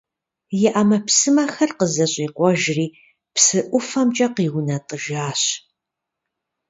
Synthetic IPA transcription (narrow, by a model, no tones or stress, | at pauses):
jɪʔamɐpsɨmɐxɐrqəzɐɕʼiːqʷɔʒriː | psɨʔʷʊfɐmt͡ʃʼɐqiːwʊnɐtʼəʒaːɕ